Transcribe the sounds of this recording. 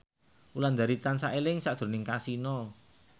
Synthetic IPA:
uland̪aɾit̪ansaʔelɪŋsaʔd̪̥ɾo̤nɪŋkasinɔ

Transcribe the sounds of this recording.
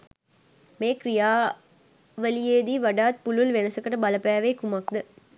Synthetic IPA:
meːkrijaː | ʋəlijeːd̪iːʋaɖaːt̪̚pululʋenɐsɐkəʈəbɐləpæːʋeːkumɐk̚d̪ə

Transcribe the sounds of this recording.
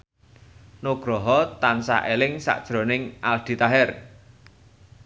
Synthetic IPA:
noɡ̥ɾɔɦɔt̪ansa̰ʔelɪŋsa̰ʔd̥ʒ̥ɾo̤nɪŋʔald̪̥i̤t̪aɦɛr

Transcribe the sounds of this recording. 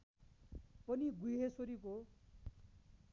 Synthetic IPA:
pʌniɡuɦesoɾik̬o

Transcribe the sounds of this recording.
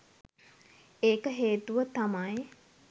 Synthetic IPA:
eːkəɦeːt̪uʋət̪amaj

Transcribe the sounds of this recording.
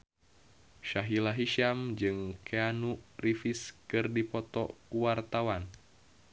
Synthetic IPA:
ʃaɦilaɦiʃamd͡ʒɨŋkʰeanurifiskɨrdipɔt̪ɔ̰kuwart̪awan

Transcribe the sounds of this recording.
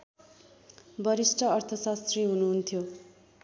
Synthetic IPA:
bʌɾisʈʰʌːrt̪ʰʌsast̪riɦunuɦunt̪ʰjo

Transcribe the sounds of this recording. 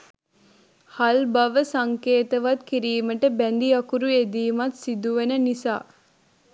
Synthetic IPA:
halbaʋəsaŋkeːt̪əʋat̪kiɾiːməʈəbænd̪iɐkuɾued̪iːmat̪sid̪uʋenənisa̰ː

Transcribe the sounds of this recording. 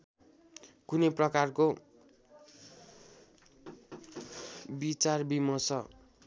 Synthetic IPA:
kunʌjprʌkarko | bit͡sarbimʌsʰʌ

